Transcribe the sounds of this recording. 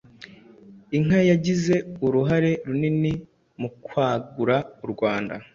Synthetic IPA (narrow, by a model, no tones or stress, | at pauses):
iŋajaɟize̞uɾuɦaɾe̞ɾunini | mukwaːɡuɾauɾɡwaːnda̰